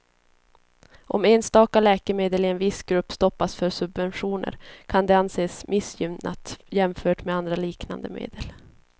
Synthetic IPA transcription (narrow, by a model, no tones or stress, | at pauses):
ʔɔ̰meːnst̪ɑːkalɛːkəmeːd̪əlɪɛnvɪsɡɾɵpːst̪ɔpːasfœɾsɵbvɛnɧuːnə̰ɾkʰand̪ɛanseːsmʔɪsjʏmna̰t̪jɛmfœːʈmɛand̪ɾaliːkna̰nd̪əmḛːd̪əl